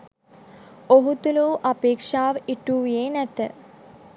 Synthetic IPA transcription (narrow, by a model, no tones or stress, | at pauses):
oɦut̪uluuʔapeːkʂaːʋəʔiʈuːʋijeːnæt̪ə